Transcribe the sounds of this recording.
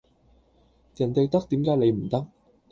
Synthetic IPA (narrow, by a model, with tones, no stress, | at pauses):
jɐ˨˩nt̪e˨jt̪ɐ˥k̚t̪iː˨˥mkaː˨˥jle˨˧jm̩˨˩t̪ɐ˥k̚